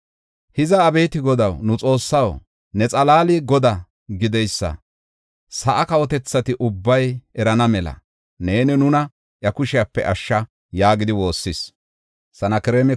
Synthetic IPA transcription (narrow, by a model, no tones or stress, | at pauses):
hɪzɐːbe̞ːt̪ɪɡɔd̪ɐwnʊt͡sʼo̞ːsːɐw | nɛt͡sʼɐlaːliːɡɔd̪ɐ | ɡɪd̪ɛjsːɐ̰ | sɐʔɐkɐwɔt̪ɛt͡sːɐt̪ɪʔʊbːɐjɛɾɐnɐmɛlɐ̰ | neːnɪnʊnɐ | ʔjɐkʊʃɪjapːɛ̰ʔɐʃːɐ | jaːɡɪd̪ɪwo̞ːsːɪs | sɐnɐkɛɾeːmɛ